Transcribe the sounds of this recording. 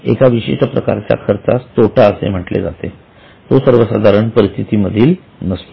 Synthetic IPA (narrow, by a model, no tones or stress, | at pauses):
ḛkaʋiɕḛʂəpɾəka̰ɾt͡ɕja̰kʰəɾt̪ast̪oʈaəsḛm̤əʈlḛd͡zat̪e | t̪osəɾʋəsa̰d̪ʱaɾəɳpəɾist̪ʰit̪iməd̪ʱiːl | nəst̪